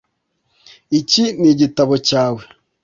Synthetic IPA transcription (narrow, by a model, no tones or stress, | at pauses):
iciniɟitaβocaːwe